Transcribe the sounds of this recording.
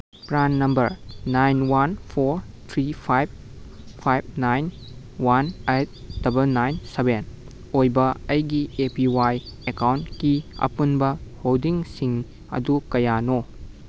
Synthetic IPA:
pɾanːɐmbɐɾnajnwanpʰoɾ | t̪ʰɾipʰajb̚ | pʰajb̚najn | wanejt̚d̥ɐbɐlnajnseben | ojbɐɐjɡiepiwajekawntkiɐ̰punbɐholdiŋsiŋ | ɐ̰dukɐjano

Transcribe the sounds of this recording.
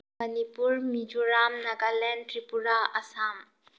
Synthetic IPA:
ənipuɾmid͡ʒuɾamnɐɡalɛnɖʈɾipuɾaɐsam

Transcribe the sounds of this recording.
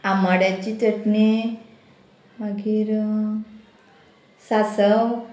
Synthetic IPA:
amaɽjat͡ɕit̪əʈne | maɡiːɾ | sasəw

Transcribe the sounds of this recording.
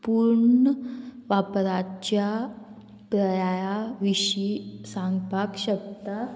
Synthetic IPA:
puɾɳəʋapɾat͡ɕja | pɾəjajaʋiɕisãŋɡpakɕəkt̪a

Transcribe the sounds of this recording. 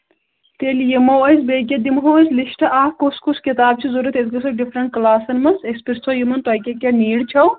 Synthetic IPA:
t̪eːljemɐwɐjsbeːk̬ʲɐd̪imɦoːɐsliʃʈɐʔaːhkoskuskit̪aːb̚t͡ʃʰizuɾɐt̪esɡɐsɐɖifɾɐɳʈ̚klaːsɐnmɐsespiɾst͡sʰojimɐnt̪ɐjkʲɐkʲɐniːɽt͡ʃʰɐw

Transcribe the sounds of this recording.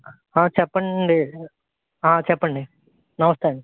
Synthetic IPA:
ãːt͡ʃɛpːɐɳɖi | aːt͡ʃɛpːɐɳɖi | nɐʋɐst̪aːɳɖi

